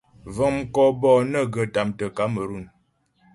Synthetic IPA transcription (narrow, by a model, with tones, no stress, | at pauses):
və˨ŋm̩˦˨kɔ˦bɔ˦˨nə˦ɡə˨ta˨mtə˨ka˨˦mə˨ɾu˦˨n